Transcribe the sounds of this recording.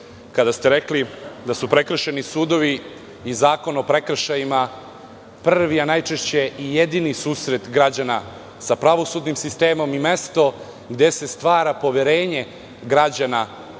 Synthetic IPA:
kad̪ast̪e̞ɾeklid̪asupɾekr̩ʃenisuːd̪o̞ʋi | izaːko̞nopɾe̞kr̩ʃajima | prʋianajt͡ʃeʃt͡ɕeijed̪inisuːsɾe̞t̪ɡɾad͡ʑana | sapɾaʋo̞sud̪nimsist̪e̞ːmo̞mime̞st̪o̞ | ɡd̪e̞se̞st̪ʋaːɾapo̞ʋeɾeːɲe̞ | ɡɾad͡ʑana

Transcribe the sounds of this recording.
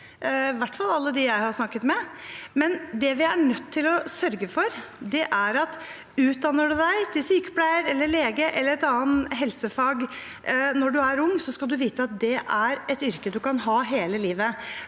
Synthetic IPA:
ʋæʈːfɑlɑlːəd̪ɪjæɪhɑɾsnɑkːət̪mɛmɛnd̪ɛʋɪæɳœt̪ʰːɪlɔsœɾɡəfɔɾd̪ɛʔæɾɑt̪ | ʉːt̪̚d̪ɑnːəɖʉd̪æɪt̪ʰɪlsyːkəpʰlæɪəɾɛlːəɭeːɡəʔɛlːəɾɛt̪ɑːənɦɛlsəfɑːɡ | nɔɖʉæɾʊŋːsɔskɑld̪ʉʋiːt̪əɑt̪̚d̪ɛʔæɾɛt̪ʏɾkəd̪ʉkɑnɦɑːɦeːləliːʋə

